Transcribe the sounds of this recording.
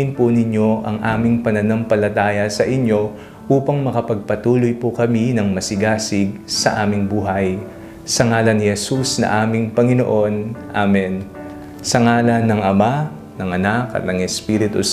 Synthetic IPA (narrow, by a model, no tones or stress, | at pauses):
ɪnpʊnɪɲo̞ʔɐŋʔaːmɪŋpɐnɐnɐmpɐlɐt̪aːjɐsɐʔɪɲo̞ | ʔuːpɐŋmɐkɐpɐɡ̚pɐt̪uːlojpʊkɐminɐŋmɐsɪɡaːsɪɡ̚sɐ̰ʔaːmɪŋbuːɦɐj | sɐŋaːlɐnːɪhɛsusnɐ̰ʔaːmɪŋpɐŋɪno̞̰ʔo̞nʔamɛn | sɐŋaːlɐnːɐŋɐma | nɐŋɐnakɐ̰t̪nɐŋɛspiːɾɪt̪ṵ